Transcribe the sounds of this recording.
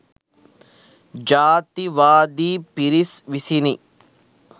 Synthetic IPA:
d͡ʒaːt̪iʋaːd̪iːpiɾisʋisini

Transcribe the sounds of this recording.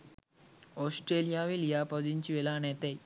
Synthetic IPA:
ɔsʈɾelijaʋelijapəd͡ʑint͡ɕiʋelanɛt̪ej

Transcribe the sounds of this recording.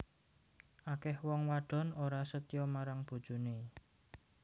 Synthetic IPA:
ʔakɛhwɔŋwaɖ̥ɔ̤noɾasət̪jɔmaɾaŋb̥o̤d̥ʒ̥ṳne

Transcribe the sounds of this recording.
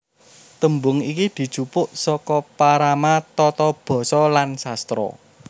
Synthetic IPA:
t̪əmbʊŋikid̪̥i̤̥t͡ʃupʊʔsɔkɔpaɾamat̪ɔt̪ɔb̥ɔ̤sɔlansast̪ɾɔ̰

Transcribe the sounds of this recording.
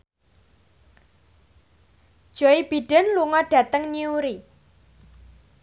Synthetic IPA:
d̥ʒ̥oib̥i̤ɖ̥ɛ̤nluŋɔɖ̥ä̤t̪əŋɲiuɾi

